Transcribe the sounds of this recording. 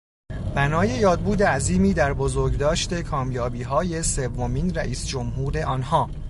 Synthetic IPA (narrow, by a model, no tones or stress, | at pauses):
b̥ænɒːje̞jɒːd̪̚buːd̪eæziːmiːd̪æɾbozoɾɟd̪ɒːʃt̪e̞kʰɒːmjɒːbiːɦɒːje̞se̞vːo̞miːnɾæʔiːsd͡ʒo̞mɦuːɾe̞ʔɒːnhɒː